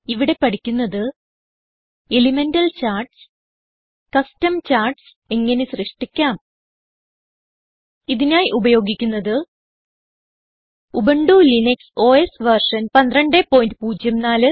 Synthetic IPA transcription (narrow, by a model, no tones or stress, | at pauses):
iʋiɽe̞pɐɽikʲːunːɐðɨ | elimendɐlt͡ɕaːrɖs | kɐstɐmt͡ɕaːrɖs | e̞ŋːɐne̞srɨʂʈikʲːaːm | iðinaːjiʔubɐjo̞ːɡikʲːunːɐðɨ | ubɐɳɖuːlinekso̞ːesʋɐrʂɐnpɐnd̪rɐɳɖepːo̞ːjindɨpuːd͡ʑjɐmnaːlɨ